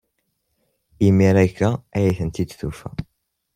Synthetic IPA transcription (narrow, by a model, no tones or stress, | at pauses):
imːiɾækːaæjiθənt̪id̪θufæ̰